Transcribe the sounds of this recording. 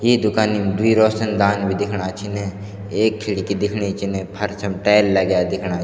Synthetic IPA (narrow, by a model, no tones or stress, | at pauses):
jiːd̪ʊkaːnid̪ʊiːɾɔːsənd̪aːnbʱid̪ɪkʰɽ̃aːt͡ʃʰine | eːkʰːɪɽikid̪ɪkʰɽit͡ʃʰɪnẽpʰəɾsʰəmʈɛːlːəɡjaːd̪ɪkʰɽ̃aː